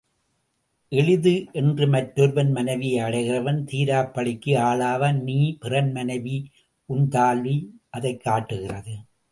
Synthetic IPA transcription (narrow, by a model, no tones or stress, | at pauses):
ʔɛɭɪðɯʔɛndrɯmɐʈːʊɾʋɐnmɐnɐɪʋɪjɐɪɐɽɐɪɣɪrɐʋɐnt̪iːɾaːpːɐɭɪkːɯaːɭaːʋɐniːpɪrɐnmɐnɐɪʋi | ʔʊnt̪aːlʋiʔɐðɐɪkːaːʈːɯɣɪrɐðɯ